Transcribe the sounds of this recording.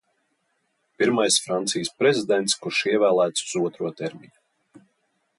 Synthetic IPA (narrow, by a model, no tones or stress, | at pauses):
piɾmajsfɾant̪sijəspɾɛzʲid̪ɛnt̪skuɾʃiɛvæːlˠæːt̪su̥z̥uɔt̪ɾuɔt̪ɛɾmiɲu